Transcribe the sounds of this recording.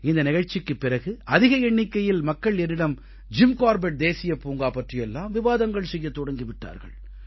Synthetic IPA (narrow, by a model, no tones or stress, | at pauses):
ɪnd̪ɐnɪɣɐɻt͡ʃːɪkːɯpːɪrɐɣɯʔɐðɪɣɐɛɳːɪkːɐjɪlmɐkːɐɭɛnːɪɽɐm | d͡ʒɪmkaːɾbɛʈ̚d̪eːsɪjɐpːuːŋɡaːpɐʈrɪjɛlːaːmʋɪʋaːðɐŋɡɐɭsɛjːɐt̪ːɔɽɐŋɡɪʋɪʈːa̰ːɾɣɐ̰ɭ